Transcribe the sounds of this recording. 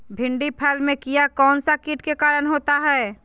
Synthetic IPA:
bʱɪ̃ɳɖipʰɛːlmẽkijakɔːnsakiʈkekaːɾəɽ̃ɦoːt̪aɦɛː

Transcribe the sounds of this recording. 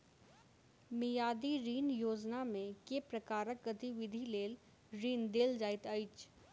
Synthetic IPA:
mɪjaːd̪iɾiːnjoːd͡ʒnamẽkepɾəkaːɾək̚ɡət̪iʋɪd̪ʱileːl | ɾiːnd̪eːld͡ʒaːɪt̪əɪt͡ʃ

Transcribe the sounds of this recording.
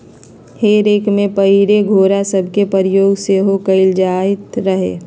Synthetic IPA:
heːɾeːkmẽpəiɾeɡʱoːɾasəbʱkepəɾɪjoːɡseɦokəɪld͡ʒaːɪt̪ɾəɦḛː

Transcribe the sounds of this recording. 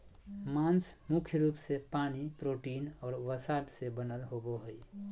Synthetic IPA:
mãːnsmʊkʰjəɾuːpsepaːnipɾoːʈiːnɔːɾʋəsaːbsebənəlɦoboɦəi

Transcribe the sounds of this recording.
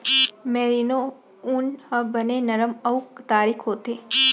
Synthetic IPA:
meːɾino | unhəbɐnenɐɾəmɐuk̚t̪aːɾikʰɦoːt̪e

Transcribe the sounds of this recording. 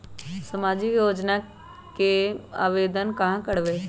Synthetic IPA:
səmaːd͡ʒikjoːd͡ʒna | kea̰ːʋeːd̪ənkɐɦãkəɽʋeː

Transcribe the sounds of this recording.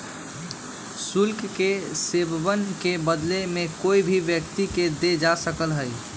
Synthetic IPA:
sulkkesebbənkebəd̪lemekoibʱiʋjəkt̪iked̪ed͡ʒasəkəlɦəj

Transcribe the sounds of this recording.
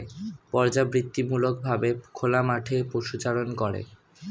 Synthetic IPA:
pɔɾd͡ʑabɾit̪ːimulokbʱabekʰolamaʈʰepoʃut͡ɕaɾonkoɾḛ

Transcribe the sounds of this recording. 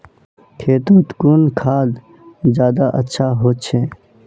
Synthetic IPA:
kʰeːt̪õt̪kuːnkʰaːd̪ | d͡ʒjaːd̪aʔətːʃʰaɦoːt͡ʃʰẽː

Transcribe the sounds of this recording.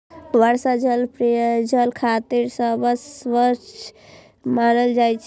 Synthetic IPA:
bəɾsad͡ʒəlpɾed͡ʒəlkʰat̪iɾsə̃bəsʋət͡ʃʰ | manəld͡ʒajt͡ʃʰ

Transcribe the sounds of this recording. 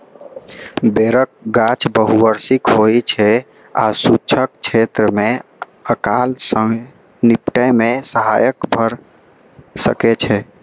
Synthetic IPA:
beɾək̚ɡat͡ʃbəɦuʋəɾsikɦojt͡ʃʰɛ | a̰sut͡ʃʰək̚t͡ʃʰet̪ɾəme | əkalsəŋ | nipʈəmesəɦajəkbʱəɾ | sə̰ket͡ʃʰɛ

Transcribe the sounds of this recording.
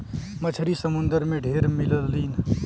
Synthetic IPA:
mət͡ʃʰəɾisəmʊnd̪əɾmẽɖʱeːɾmɪləlːiːn

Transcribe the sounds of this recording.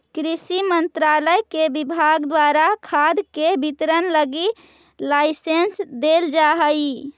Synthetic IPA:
kɾisimənt̪ɾaləjkebibʱaɡd̪waɾakʰad̪kebʱit̪ɾənləɡi | laɪsensd̪eld͡ʒaɦəj

